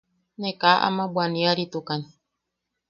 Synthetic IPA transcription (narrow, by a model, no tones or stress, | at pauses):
nekaːʔa̰mãbwanĩaɾit̪ukaɲi